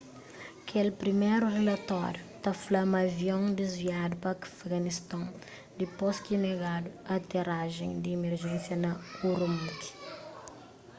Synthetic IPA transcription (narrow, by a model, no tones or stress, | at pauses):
kʰelpɾimejɾurelɐt̪ɔɾjut̪aflɐmɐviõd̪ezviad̪upɐkafɡɐnist̪ɐ̃w | d̪iposkineɡad̪uɐt̪eraʒẽj̃d̪iimeɾʒɛ̃nsjɐnɐuɾumut̪i̥